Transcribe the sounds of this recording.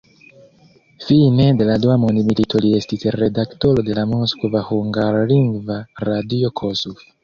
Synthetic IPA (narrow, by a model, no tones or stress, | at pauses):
fine̞de̞laduamondimilitʰo̞lie̞stisɾe̞dakto̞ɾode̞lamoskvahuŋɡaɾliŋɡvaɾadiokʰosuf